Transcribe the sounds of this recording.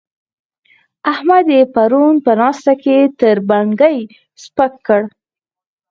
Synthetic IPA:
ahmad̪epaɾunpənɑst̪aket̪əɾbaŋɡəj | spəkːəɽ

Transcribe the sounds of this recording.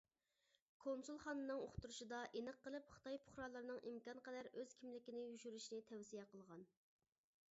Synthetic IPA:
kʰomsulˠχɑnɨnɨŋoχt̪uɾuʃid̪ɑʔenəqːəlˠɨpχə̥t̪ɑjpʰʊ̥χɾɑlˠəɾnɨŋʔimkɑnqɛd̪æɾøz̥kʲʰimlɪkʲinɪjyʃyɾyʃnɪt̪ʰɛwsijɛqʰəlˠʁɑn

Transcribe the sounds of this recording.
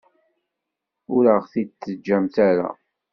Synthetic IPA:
ʊɾəʁθit͡s̪ːəd͡ʒːæmt̪aɾa̰

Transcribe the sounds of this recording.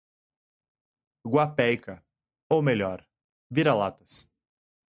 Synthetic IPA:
ɡwapɛjkɐ | owmeʎɔɾ | viɾalat̪ɐs

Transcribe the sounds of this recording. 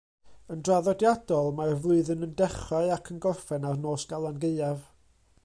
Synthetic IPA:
əndraðɔdjadɔlˠmarvlˠʊɨðənəndɛχaɨakʰənɡɔrfɛnarnoːsɡ̥alˠanɡeɨav

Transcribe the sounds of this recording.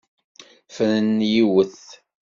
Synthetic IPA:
fənənjiwəθ

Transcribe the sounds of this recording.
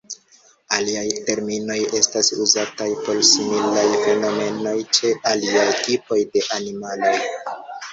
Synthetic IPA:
aliajte̞ɾmino̞je̞stasuzatajpo̞lsimilajfe̞no̞me̞no̞jt͡ʃe̞ʔaliajtipo̞jde̞ʔanimalo̞j

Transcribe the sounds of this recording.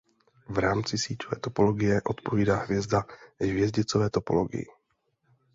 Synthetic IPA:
vɾaːmt͡sɪsiːcovɛ̰ːt̪o̞po̞loɡɪjɛʔo̞t̪poviːdaːɦvjɛzdaɦvjɛzɟɪt͡sovɛːt̪o̞poloɡɪ̰jɪ̰

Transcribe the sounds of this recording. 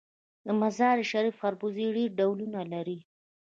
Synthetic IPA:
d̪əmazɑɾʃaɾifaɾbuziɖeɾɖawlunalaɾi

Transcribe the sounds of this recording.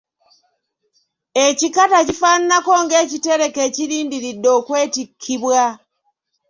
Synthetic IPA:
e̞cikatacifaːninako̞ŋɡe̞ːcite̞ɾe̞ke̞ːciɾiːndiɾidːo̞ːkwe̞ːtikʰːiβwa

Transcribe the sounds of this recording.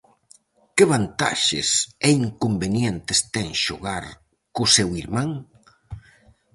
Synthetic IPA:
kɪβ̞ant̪a̰ʃɪ̰sɛiŋkombenjɛnt̪ɪst̪ɛŋʃoɣaɾ | kʊsɛwiɾmãŋ

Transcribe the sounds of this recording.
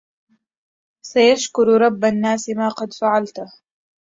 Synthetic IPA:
sajaʃkʊɾɾˤɑbːanːaːsɪmaːqɑd̪faʕalt̪ʊh

